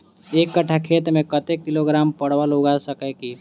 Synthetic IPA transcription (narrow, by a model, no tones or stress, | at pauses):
eːkːəʈʰakʰeːt̪ɾmẽkət̪ekːɪloɡɾaːmpəɽ̤ʋaloɡasəkɛki